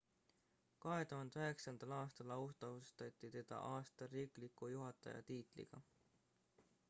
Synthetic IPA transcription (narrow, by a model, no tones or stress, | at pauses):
kɑɦe̞t̪uɦɑnd̪eøɦe̞ksɑnd̪̥ɑlɑːst̪ɑlɑust̪ɑust̪ɑt̪ːˑit̪e̞d̪̥ɑ̰ʔɑːst̪ɑɾiːklikːujuɦɑt̪ːˑɑ̰jɑ̰t̪iːt̪ˑlḭɡ̥ɑ̰